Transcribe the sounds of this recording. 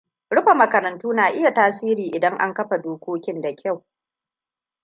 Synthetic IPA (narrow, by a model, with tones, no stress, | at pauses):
ɽʊ˦ɸa˨mɐ˨kɐ˨ɾɐ˨ntuː˦naː˨ʔɪ˦ja˨taː˦siː˦ɾiː˨ʔɪ˨dɐ˦ŋʔa̰˦ŋkɐ˦ɸa˨doː˦kʷoː˦kʲɪ˦nda˨kʲa˦˨w